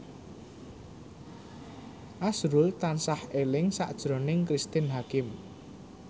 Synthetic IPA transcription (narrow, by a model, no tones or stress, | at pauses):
ʔasɾʊlt̪ansahelɪŋsa̰ʔd̥ʒ̥ɾo̤nɪŋkɾist̪ɪnɦakɪm